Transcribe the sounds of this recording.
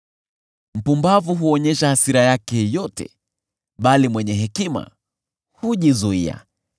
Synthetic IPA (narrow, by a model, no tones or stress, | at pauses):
m̩pumbavuɦuɔɲɛʃahasiɾajakɛjɔtɛ̰ | ɓalimwɛɲɛɦɛkima̰ | huʄizuia̰